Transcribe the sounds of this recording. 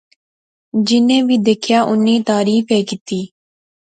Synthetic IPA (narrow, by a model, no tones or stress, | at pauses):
d͡ʒɪnẽːbiːd̪eːkʰjaːʔʊnːĩːt̪aːɾiːfʰeːkɪt̪iː